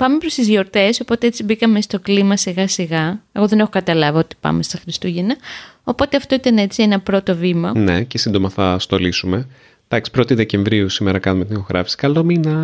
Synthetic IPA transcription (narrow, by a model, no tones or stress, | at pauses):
pɐmepɾo̞st̪izʝo̞ɾt̪e̞so̞po̞t̪e̞et͡sibikɐme̞st̪o̞klimɐsiɣɐsiɣɐeɣo̞ðe̞ne̞xokɐt̪ɐlɐviot̪i̥pɐ̰me̞st̪ɐxɾist̪uʝenɐo̞po̞t̪e̞ɐft̪o̞it̪ɐne̞t͡sienɐpɾo̞t̪o̞vimɐne̞cesind̪o̞mɐθɐst̪o̞lisume̞ | d̪̥ɐksi̥pɾo̞t̪iðe̞ce̞ɱvɾiusimeɾɐkɐnumet̪inixo̞ɣɾʔɐ̰fi̥si̥kɐlo̞minɐ